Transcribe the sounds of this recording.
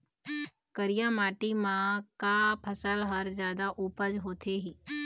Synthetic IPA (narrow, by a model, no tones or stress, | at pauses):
kəɾijamaːʈimãkapʰəsəlɦəɾzjaːd̪aʔuːpəd͡ʒɦoːt̪ʰeɦiː